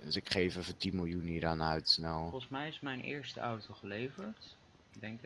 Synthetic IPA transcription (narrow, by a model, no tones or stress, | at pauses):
dəsɪkχejvəvətimɪlˠjunidɑnœɥtsnɛlˠsmɛjɪsmɛjnʔɪ̰ːɹstə̰ʔɑwtowχəlejvəɹt | dɛŋk